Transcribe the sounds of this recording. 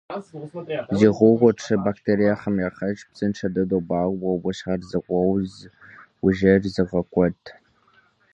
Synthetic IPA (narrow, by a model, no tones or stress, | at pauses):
ziːʁʷʊʁʷɔʈ͡ʂʰɨbaktʰeːɾijaχɐmjaːχɐt͡ʃʼpsɨnʈ͡ʂʰɐdɐdobaːwɐwʊʃχɐrzɨkʷʼɔwzwʊʒɐrzɨʁɐkʷʼɔtʰ